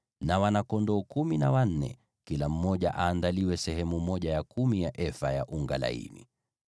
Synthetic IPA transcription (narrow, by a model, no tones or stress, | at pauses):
nawanakɔndɔːkuminawan̩nɛ̰ | kilam̩mɔʄaʔaːndaliwɛsɛɦɛmumɔʄajakumijaʔɛfajaʔuŋɡala̰ḭnḭ